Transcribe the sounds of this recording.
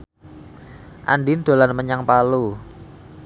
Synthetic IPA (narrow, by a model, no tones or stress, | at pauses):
ʔa̰nɖɪnd̪̥o̤lanməɲaŋpalu